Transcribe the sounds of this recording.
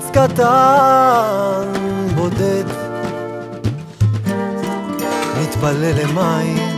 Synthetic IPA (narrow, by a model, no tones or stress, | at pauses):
skat̪a | nbod̪ed̪ | mit̪balelemai